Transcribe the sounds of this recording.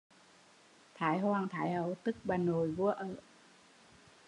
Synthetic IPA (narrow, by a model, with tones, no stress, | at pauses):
t̪ʰaː˨˦jɦwaː˧˩ŋt̪ʰaː˨˦jhə˨˧˦wt̪ɨ˦˥k̚ɓaː˨˩nːo˨˩jvu˧˥əʔəː˧˩